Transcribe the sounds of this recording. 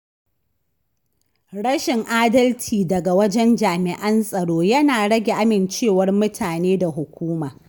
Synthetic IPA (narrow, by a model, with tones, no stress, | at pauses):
ɽɐ˦ʃɪ˨ŋʔaː˦dɐ˦ltʰiː˨dɐ˨ɡa˨wɐ˦d͡ʒɛ˦nd͡ʒaː˨mɪ˨ʔɐ˦nsʼɐ˨ɽoː˦jɐ˦naː˨ɽɐ˦ɡʲe˨ʔa˦mɪ˨nt͡ʃeː˦˨wɐ˦rmʊ˦tʰaː˨neː˦da˨ɦʊ˨kʷuː˦maː˨